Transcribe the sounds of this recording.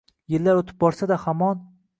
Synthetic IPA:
jɪlːaɾot̪ʰɪ̥p̚bɒɾsad̪ahamɒn

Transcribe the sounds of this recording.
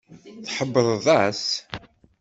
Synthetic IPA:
θħəbːəɾˤðˤæs

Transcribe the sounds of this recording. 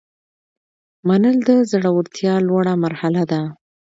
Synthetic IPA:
manəld̪əzaɽawəɾt̪jɑlwaɽamaɾhalad̪a

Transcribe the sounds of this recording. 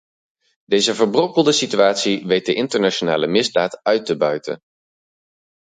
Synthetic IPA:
dejzəvəɹbrɔpəlˠdəsityaːtsiʋejt̚dəʔɪntəɹnaʃonaːləmɪzdaːtœɥtəbœɥtə̰n

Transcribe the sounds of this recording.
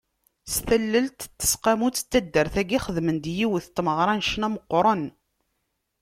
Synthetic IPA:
sθəlːəlt̪θːə̥sqamut͡sːə̥t̪ːæd̪ːəɾθæɡiχəðmənd̪jiwθt̪ˤːməʁɾˤɑnʃnæməqːɾˤən

